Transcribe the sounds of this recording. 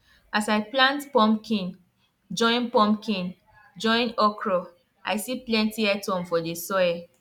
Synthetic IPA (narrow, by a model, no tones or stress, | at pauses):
asaɪplãntpɔ̃mkʰĩn | d͡ʒɔ̃ɪ̃npɔ̃mkʰĩn | d͡ʒɔ̃ɪ̃nɔkɹɔ | ʔa̰jsiplɛ̃ntiɛtɔ̃mfɔdesɔɛ